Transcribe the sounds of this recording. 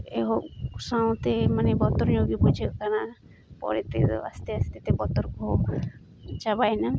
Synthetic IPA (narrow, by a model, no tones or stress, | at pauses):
eɦosaw̃t̪emanebɔt̪oɾɲoɡibud͡ʒʱekana | pɔ̰ɾet̪ḛa̰st̪east̪et̪ebɔt̪ɔɾkɔɦo | t͡ʃabajna